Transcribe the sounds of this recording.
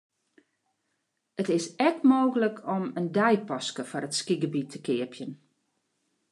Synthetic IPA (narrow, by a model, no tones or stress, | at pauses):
ətɪsɛk̚tmoːɣələkʰɔməndɛjpɔskəfɔɾətskiɡəbitʰəkɪəpʰjən